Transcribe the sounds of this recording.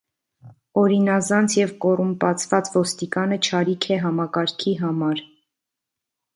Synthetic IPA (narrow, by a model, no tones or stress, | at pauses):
ɔɾinɑzɑnt͡sʰjɛvkɔrumpɑt͡sʰvɑt͡svɔst̪ikɑnət͡ʃʰɑɾikʰɛɦɑmɑkɑɾkʰiɦɑmɑɾ